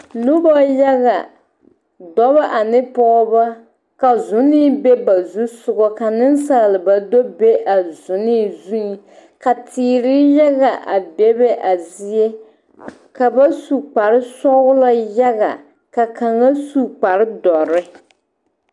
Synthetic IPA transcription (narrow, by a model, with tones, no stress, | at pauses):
nʊ˦bɔ˦ja˦ɣa˨ | dɔ˨βa˦ʔa˨nɪ˦pɔ˦ba˦ | ka˨zʊ˨˦nɪ˦be˦ba˨zu˦sʊ˨ɡɔ˦ka˨nɪ˦n˦sa˨lɪ˨ba˨do˦be˦ʔa˨zʊ˨niː˦˨zu˦˨ | ka˨tiː˨ɾɪ˦ja˦ɣa˨ʔa˨be˦bɛ˦ʔa˨zi˦e˦ | ka˨ba˦su˨k͡pa˨ɾɪ˦sɔ˦ɡʊ˦la˦ja˦ɣa̰˨ | ka˨ka˨ŋa˦su˦k͡pa˨ɾɪ˦dɔ˨ɾɪ˦